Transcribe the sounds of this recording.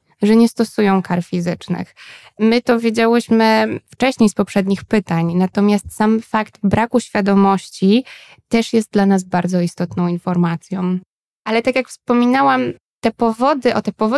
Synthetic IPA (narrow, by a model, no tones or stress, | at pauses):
ʐɛɲɛst̪ɔsujɔ̃w̃kaɾfʲizɘt͡ʂnɘ̰xmɘt̪ɔvʲjed͡ʑawɘɕmɘft͡ʂɛɕɲejspɔpʂɛd̪ɲixpɘt̪aɲnat̪ɔmʲjast̪samfakt̪bɾʔakuɕfʲjad̪ɔmɔɕt͡ɕi | t̪ɛʂjɛst̪̚d̪lanazbaɾd̪zɔist̪ɔt̪nɔ̃w̃infɔɾmat̪sʲjɔ̃w̃ | ʔalɛt̪akʲjakfspɔmʲinawam | t̪ɛpɔvɔd̪ɘʔɔt̪ɛpɔvɔ